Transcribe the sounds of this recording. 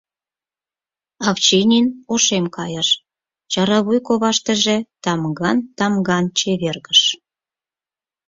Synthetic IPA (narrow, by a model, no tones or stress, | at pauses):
ɑft͡ɕenʲinoʃemkɑjəʃ | t͡ɕɑɾɑβujkoβɑʃt̪ə̆ʒĕt̪ɑmɡɑnt̪ɑmɡɑnt͡ɕeβerɣəʃ